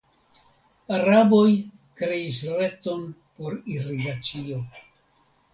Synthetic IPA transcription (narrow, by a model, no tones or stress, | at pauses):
aɾabo̞j | kɾe̞is̬ɾe̞to̞npo̞ɾiɾilat͡sio